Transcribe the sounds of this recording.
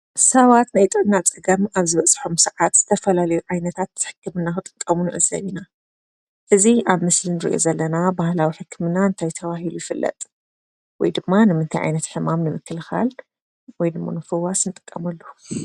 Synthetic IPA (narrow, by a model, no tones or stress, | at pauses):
sɐβat̪najt̪ʼɨʕnːat͡sʼɨɡɐmaβzɨβɐt͡sʼħomsɨʕat̪z̥ɨt̪ʰɐfɐlalɐjuʕajnɐt̪ʰat̪ːɨ̥ħɨ̥kʰːɨmɨnːaxɨt̪ʼɨ̥kʼːɐmunɨʕɨzɐ̰βina | ʔɨziʔaβmɨslinɨɾḭʔo̞̰zɐlːɐnabahlawiħɨkʰːɨmɨnaɨnt̪ʰajt̪ʰɐβahilujɪfɨlːʔɐ̰t̪ʼ | wɔjd̪ɨmːanɨmɨnt̪ʰajʕa̰jnɐt̪ħɨmamnɨmɨkːɨlxa̰l | wɔjd̪ɨmːa̰nɨfɨwasnɨt̪ʼɨ̥kʼːɐmɐlːu